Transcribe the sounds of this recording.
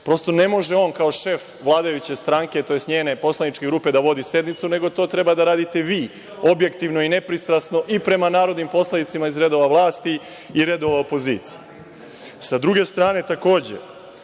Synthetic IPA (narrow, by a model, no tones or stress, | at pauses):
pɾo̞st̪o̞ne̞mo̞ʒeo̞ːnkao̞ʃe̞f | ʋlˠaːd̪ajut͡ɕe̞st̪ɾaːŋket̪o̞jesɲeːne̞po̞slanit͡ʃke̞ɡɾuːpe̞d̪aʋo̞d̪ise̞d̪nit̪sune̞ɡo̞t̪o̞ːt̪ɾe̞bad̪aɾaːd̪it̪e̞ʋiː | o̞bje̞kt̪iʋnoine̞pɾist̪ɾasno̞ʔipɾe̞manaːɾod̪nimpo̞sled̪it̪simaizɾe̞d̪o̞ʋaʋlˠaːst̪i | iɾe̞d̪o̞ʋaopo̞ziːt̪sije | sad̪ɾuɡe̞st̪ɾaːne̞t̪ako̞ːd͡ʑḛ